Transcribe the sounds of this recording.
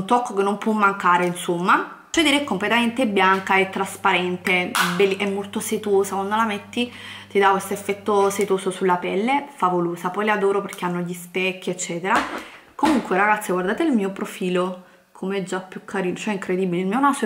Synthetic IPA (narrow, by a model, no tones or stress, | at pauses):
unt̪ɔkːokenːompwɔmːaŋkaːɾeinsomːa | t͡ʃed̪iɾeɛkːomplet̪ament̪ebjaŋkaet̪ːɾaspaɾɛnt̪ebeliʔɛmːolt̪oset̪oːsakwand̪olamet̪ːi | t̪id̪akwest̪oefːɛt̪ːoset̪oːsosulːapɛlːefavoloːsapɔjlad̪oːɾoperk̟eanːoʎispɛkːiet͡ʃːɛːt̪eɾa | komuŋkweɾaɡat̪sːiɡward̪aːt̪eilmiːopɾofiːlo | kʰomeɛd͡ʒːapjukʰːaɾiːnot͡ʃoɛiŋkɾed̪iːbileilmionaso